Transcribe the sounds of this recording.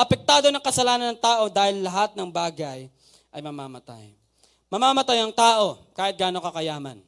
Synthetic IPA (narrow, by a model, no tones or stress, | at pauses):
ʔɐpɛk̚t̪aːd̪o̞nɐŋkɐsɐlaːnɐnɐŋt̪aːʔo̞d̪aːhɪlːɐɦat̪̚nɐŋbaːɡɐj | ʔɐjmɐmaːmɐt̪a̰j | mɐmaːmɐt̪ajɐŋt̪aːʔo̞kaːhɪt̪̚ɡaːno̞kɐkɐjaːmɐ̰n